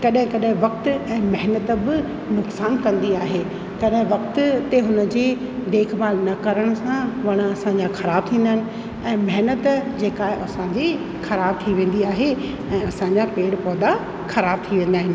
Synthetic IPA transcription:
kɐɗɦɪ̃kɐɗɦɪ̃ʋɐk̚t̪ɛ̃ːmɐɦnət̪bɪ | nʊksaːnkɐ̃nd̪iaːɦeː | kɐɗɦɪ̃ʋɐk̚t̪t̪eɦʊnə̆d͡ʑeː | d̪eːkʰbaːlnɐkɐɾəɽ̃sãʋɐɽ̃ɐsãɲd͡ʑaxɐɾaːb̚t̪ʰĩːnd̪əɦɪnɪ̆ | ɛ̃ːmɐɦɪnət̪d͡ʑeːkaːɦeʔɐsãɲd͡ʑi | xɐɾaːb̚t̪ʰiʋẽːn̆d̪iaːɦe | ɛ̃ːɐsãɲd͡ʑapeːɽpɔːd̪a | xɐɾaːb̚t̪ʰiʋẽːn̆d̪aːɦɪ̃nɪ

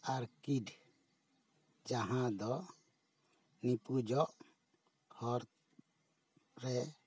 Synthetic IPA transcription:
aɾkiɖ | d͡ʒaɦãd̪ɔ | nipud͡ʒɔʔ | hɔɾ | ɾɛ

